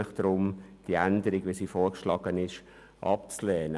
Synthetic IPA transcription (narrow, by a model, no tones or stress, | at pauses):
əχd̥ɾʊmd̥iændəɾɪɡʋisiːfoːɹkʃlɑːɡənɪʃ | ʔɑ̰p̚t͡slɛːnə